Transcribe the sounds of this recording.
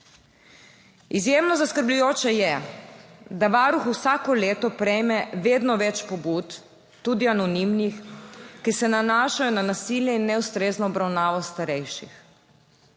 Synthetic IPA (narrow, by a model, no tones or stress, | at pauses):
izjeːmnɔzaskəɾblujoːt͡ʃɛjɛ | d̪aʋaːɾuxusaːkɔleːt̪ɔpɾɛjmɛʋeːd̪nɔʋɛt͡ʃpɔbut̪ː | uːd̪ianɔnimnixkisɛnanaːʃajɔnanasiljɛinːɛust̪ɾeːznɔːbɾawnaːʋɔst̪aɾɛjʃix